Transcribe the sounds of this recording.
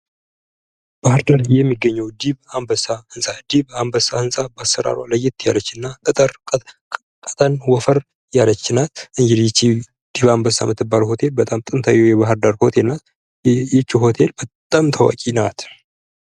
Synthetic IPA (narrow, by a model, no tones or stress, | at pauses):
b̥ahɨɾd̪aɾjɛmːiɡːəɲːɛwd̪iβambəsahɨnsʼad̪iβambəsahɨnsʼabasːəɾa̰ɾa̰ləjːɪt̪ja̰lət͡ʃːɨnːat̪ʼɨt̪ʼəɾ | kʼət̪ʰʼənwɔfəɾ | jalət͡ʃːnat̪ʔɨɲd͡ʒɪd̪jt͡ʃːi | d̪̥iβambəsa̰mɨt̪ːɨbːalho̞t̪ʰe̞lbət̪ʼamt̪ʼɨnt̪ʰajɛwjɛβaɦɨɾd̪aɾho̞t̪ʰelnat̪ | jɛt͡ʃːiɦo̞t̪ʰe̞lbət̪ʼamt̪ʰəwa̰kʼinat̪